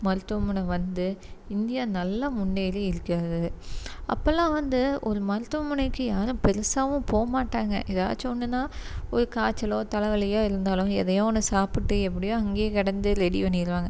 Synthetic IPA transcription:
mɐɾɯt̪ːʊʋɐmʊnɐʋɐnd̪ɯɪnd̪ɪjaːnɐlːɐmʊɳːeːjɪlɯɪɾɯkːaːðɯɐ̰pːɐlãːʋɐnd̪ɯʔɔɾɯmɐɾɯt̪ːʊʋɐmʊɳɐɪkːɯjaːɾɯ̃pɛɾɯsaːʋʊ̃poːmaːʈːaːŋɡɐ̰ʔɪða̰ːt͡ʃːɔnːɯnːaːɔɾɯkaːt͡ʃːɐloːt̪ɐlɐʋɐlɪjaːɪɾɯnd̪aːlʊ̃ɛ̰ðɐjõːɔnːɯsaːpɪʈːɯɛpːɐɽɪjõɐŋɡeːkɐɽɐnd̪ɯɾɛɽiʋɐnːɪɪɾɯʋaːŋɡɐ

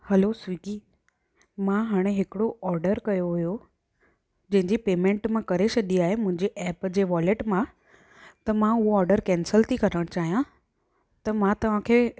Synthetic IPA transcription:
hɐlosʋiːkiː | mãɦaːɽ̃eɦɪkɪɽoʔɔːɾɖəɾkɐjoɦujo | d͡ʑɐ̃ɦɪ̃ɲd͡ʑipeːmẽɳʈmãkɐɾeɕɐɗiaːɦemʊ̃ɦɪ̃ɲd͡ʑeʔɛːpd͡ʑeːʋɔːleʈmã | t̪ɐmãʊɦoɔːɾɖəɾkɛ̃ːnsəlt̪ʰikɐɾəɽ̃t͡ɕaːɦijã | t̪ɐmãt̪ɐʋ̤ãkʰeː

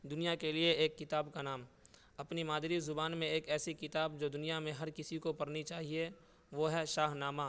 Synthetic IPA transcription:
d̪ʊnijakelieeːkːɪt̪aːbkanaːm | ɐpnimaːd̪ɾizʊbaːnmẽeːkɛːsikɪt̪aːbd͡ʒoːd̪ʊnijamẽɦɐɾkɪsikopɐɾnit͡ʃaːɦie | ʋoːɦɛʃaːɦnaːmaː

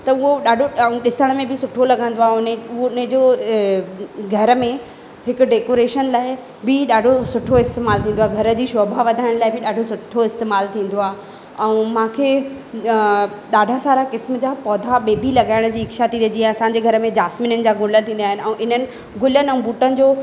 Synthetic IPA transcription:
t̪ɐʊɦoɗaːɖʱõɗɪsəɽ̃əmẽbʱɪsʊʈʰolɐɡʱə̃nd̪oaːɦʊnʊɦonəd͡ʑoː | ɡʱɐɾə̆mẽ | ɦɪkʊ̆ɖeːkoːɾeːʃənlaːɪ | bɪɗaːɖʱosʊʈʰoɪst̪eːmaːlt̪ĩːnd̪oaɦɡʱɐɾə̆d͡ʑiːʃɔːbʱaʋɐd̪ʱaːɪɽ̃laːɪbɪɗaːɖʱosʊʈʰːoɪst̪eːmaːlt̪ʰĩːn̆d̪oaː | ɛ̃mãːkʰeː | ɗaːɖʱasaːɾakɪsməd͡ʑaːpɔːd̪ʱaɓeːbʱilɐɠaːɪɽ̃d͡ʑiːɪkʃat̪ʰĩːid͡ʑiɛ̃ɐsãːɲd͡ʑeɡʱɐɾəmẽd͡ʑaːsminənɪ̆d͡ʑaːɡʱʊ̃ːlənt̪ʰĩːnd̪ːɦɪnɪ̆ɛ̃ʔɪn̤ənɪ̆ | ɡʊlənɪɛ̃ːbuːʈənɪ̆d͡ʑoː

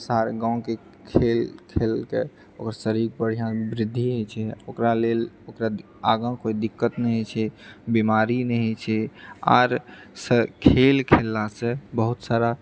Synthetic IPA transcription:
saɾɡãw̃ke | kʰelkʰelke | okəɾsəɾik̚bəɽ̤ijãbɾɪd̪ʱːiɦojt͡ʃʰɛokɾalel | okɾa | aɡãkoid̪ikːət̪nɛɦt͡ʃʰɛbimaɾinɛɦt͡ʃʰɛa̰ɾsəkʰelkʰelːasẽbəɦut̪saɾa

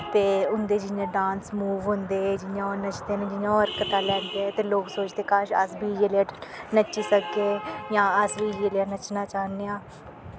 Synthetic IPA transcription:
t̪eːʊnd̪eːd͡ʒɪjãːɖãːnsmuːʋɦʊ̃nd̪eːd͡ʒɪjãːoːnət͡ʃd̪eːnẽːd͡ʒɪjãːɔːɾkət̪aːlɛ̃ːnd̪eːt̪eːloːksoːt͡ʃt̪eːkaːʃə̰sbʱiːjeːlaːnət͡ʃiːsəɡeːjãːəsbiːjeːleaːnət͡ʃnaːt͡ʃaːneːãː

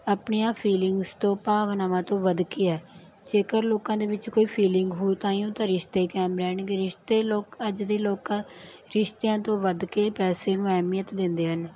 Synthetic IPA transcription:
apɳeːãːpʰiːlɪŋɡzt̪õːpaːʋnaːʋãːt̪õːʋəd̪kiːɛː | d͡ʒeːkəɾloːkãːd̪eːʋɪt͡ʃkoːiːpʰiːlɪŋɡɦoːt̪ãːiũːt̪ãːɾɪʃt̪eːkɛːmɾɛːɳkɪɾɪʃt̪eːloːkəd͡ʒd̪eːloːkãːɾɪʃt̪eːãːt̪õːʋəd̪keːpɛːseːnũːɛːmijət̪d̪ɪnd̪eːɦən

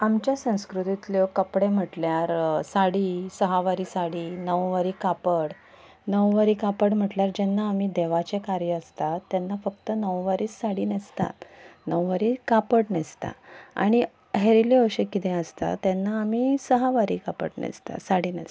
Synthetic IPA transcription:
amt͡ɕjasə̃w̃skɾut̪it̪ljokəpɽem̤əʈljaɾsaɽiːsəɦaʋaɾiːsaɽiːnəʋʋaɾiːkapəɽ | nəʋʋaɾiːkapəɽm̤əʈljaɾd͡ʑɛnːaːmiːd̪eʋat͡ɕekaɾjəəst̪at̪ːjanːafək̚t̪ənəʋʋaɾiːsːaɽiːnəst̪a̰t̪nəwʋaɾiːkapəʈnest̪a̰a̰ɽ̃i | ɦeɾileəɕekit̪ẽəst̪a̰t̪janːaːmiːsəɦaʋaɾḭːkapə̰ʈnḛst̪a̰saɽiːnə̰s

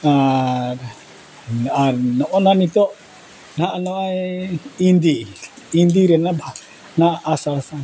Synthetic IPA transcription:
aɾ | aɾnɔʔɔnanit̪ɔʔ | naʔnɔajind̪i | ind̪iɾɛnabʱa | naːsaasa

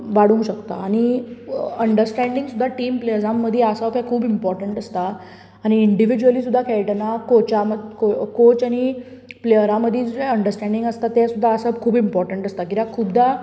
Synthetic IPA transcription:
ʋaɽũŋɕəkt̪a̰ːɽ̃i | əɳɖəɾsʈɛ̃ɳɖiŋɡsud̪ʱːaʈiːmplejəd͡zãmːəd̪ʱːɛasabkajkʰuːbimpɔɾʈəɳʈəst̪aː | ñiːɳɖiʋid͡ʑuəlisud̪ʱːakʰɛjʈənakot͡ɕaməkokot͡ɕañiplejəɾãməd̪ʱːiəɳɖəɾsʈɛ̃ɳɖiŋɡəst̪at̪ːesud̪ʱːaəsabkʰuːbimpɔɾʈəɳʈəst̪akit̪ãkʰubd̪ʱa

